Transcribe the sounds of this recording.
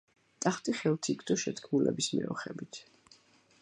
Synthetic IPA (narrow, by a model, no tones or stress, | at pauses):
t̪ʼaχt̪ʼiχɛlˠt̪ʰikʰd̪ɔʃɛt̪ʰkʰmulɛbismɛ̰ɔχɛbit̪ʰ